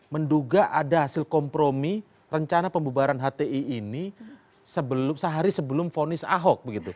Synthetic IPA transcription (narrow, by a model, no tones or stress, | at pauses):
mənduɡaʔadaɦasɪlkɔmpɾomi | rəɲt͡ʃanapəmbubaɾanɦat̪eiːni | səbəlʊmsəɦaɾisəbəlʊmfonɪsa̰ɦɔk̚bəɡit̪u